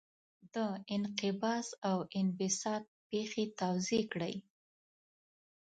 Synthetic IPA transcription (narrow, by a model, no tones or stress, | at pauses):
d̪əɪnqɪbɑsawɪnfɪsɑd̪̚pexet̪awzekɽəj